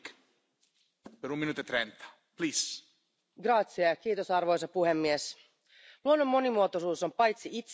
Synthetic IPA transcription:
k | peɾuminuːt̪oet̪ɾent̪ḁ | plis | ɡrɑt̪siɑjɑk̟iːt̪o̞sɑrʋo̞jsɑpuɦe̞mːies | luonːo̞mːo̞nimuo̞t̪osuːso̞mpɑjt̪siit̪s

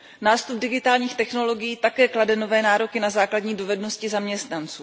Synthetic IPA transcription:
naːst̪ub̚dɪɡɪt̪aːlɲiːxt̪ɛxno̞lo̞ɡɪjiːt̪akɛːkladɛno̞vɛːnaːɾo̞kɪnazaːkladɲiːdo̞vɛdno̞scɪzamɲɛst̪nant͡suː

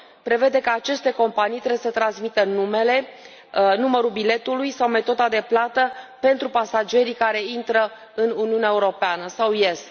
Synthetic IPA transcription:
pɾe̞ve̞d̪e̞kaːt͡ʃe̞st̪e̞ko̞mpanijt̪ɾewjesət̪ɾansmit̪ənume̞le̞ | numəɾulbile̞t̪ulujsawme̞t̪o̞d̪ad̪e̞plat̪əpe̞nt̪ɾupasad͡ʒe̞ɾikaɾe̞int̪ɾə | ɨnuniuneaeuɾo̞peanəsawjes

